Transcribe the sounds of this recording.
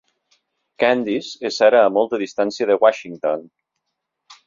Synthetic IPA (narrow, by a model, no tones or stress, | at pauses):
kand̪izezaɾəːmɔlˠt̪əðist̪ansiəðəwaʃiŋt̪on